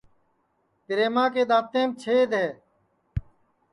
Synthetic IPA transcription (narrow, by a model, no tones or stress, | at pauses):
kɪɾeːmãːkeːɗ̪aːt̪ẽːmt͡ʃʰeːd̪ɦeː